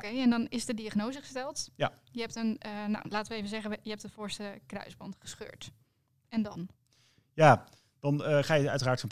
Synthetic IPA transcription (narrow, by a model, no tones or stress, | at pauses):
kejɛndɔnɪsdədiaχnowzəχəstɛlˠtjəɦɛp̚tənna̰wlaːtəʋəeːvənzɛχənjəɦɛp̚tətfʊːɹstəkrœ̰ɥzbɑ̰ntχə̥sχø̰ːɹt | ɛndɑn | jaː | d̥ɑnəχaːjəœ̰ɥtəraːɹtfɔp